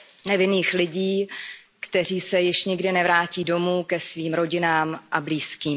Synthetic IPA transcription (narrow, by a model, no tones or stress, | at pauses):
nɛvɪniːxlɪɟiː | kt̪ɛriːsɛjɪʃɲɪɡdɪnɛvɾaːciːdo̞muːkɛsviːmɾo̞ɟɪnaːmʔabliːskiːm